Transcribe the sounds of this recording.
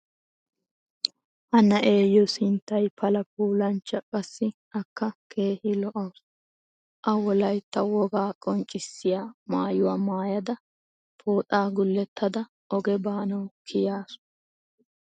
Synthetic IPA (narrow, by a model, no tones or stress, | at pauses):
ʔɐnɐʔe̞ːjːɔsɪnt̪ːɐjpʰɐlɐp̚uːlɐnt͡ʃːɐkʼɐsːɪ | ɐkːɐkʰe̞ːhɪlɔʔɐws | ʔɐwɔlɐjt̪ːɐwɔɡaːkʼɔnt͡ʃʼːɪsːɪjaːmaːjʊwaːmaːjɐd̪ɐ | pʰo̞ːt̪ʼaːɡʊlːɛt̪ːɐd̪ɐ | ʔɔɡɛbaːnɐwkʰɪjaːsʊ̥